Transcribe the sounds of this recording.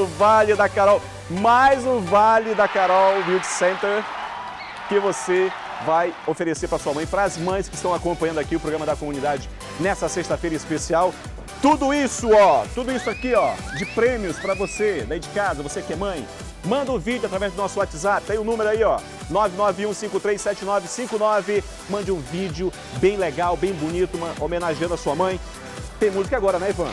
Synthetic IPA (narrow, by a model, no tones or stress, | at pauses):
ʊvalɪd̪ɐkaɾɔw | majzʊ̃valɪd̪akaɾɔwmiwd͡ʒsẽnt̪eɾ | kɪvose | vajofeɾeseɾpɾɐsuɐmɐ̃j̃pɾɐɐzmɐ̃j̃skɪst̪ɐ̃w̃akõmpɐ̃jɐ̃nd̪ʊakiʊpɾoɡɾɐmɐd̪ɐkomunid̪ad͡ʒɪ | nɛsɐsest̪ɐfejɾɐ̃ispesiaw | t̪ud̪ʊisʊɔt̪ud̪ʊisʊakiɔd͡ʒɪpɾẽmiʊspɾɐvosed̪aid͡ʒɪkazɐvoseakiɛmɐ̃j̃ | mɐ̃nd̪ɐʊvid͡ʒʊat̪ɾavɛzd̪ʊnɔsʊwat͡ʃɪzapɪd̪ẽj̃ʊnũmeɾʊaiɔ | nɔvɪnɔvɪũsĩŋkʊt̪ɾejsːɛt͡ʃɪnɔvɪsĩkʊnɔvɪ | mɐ̃nd͡ʒɪũvid͡ʒʊ | bẽj̃leɡawbẽj̃bʊnit̪ʊm̃omenaʒiɐ̃nd̪ʊɐsuɐmɐ̃j̃ | t̪ẽj̃muzɪkɐaɡɔɾɐnɛvɐ̃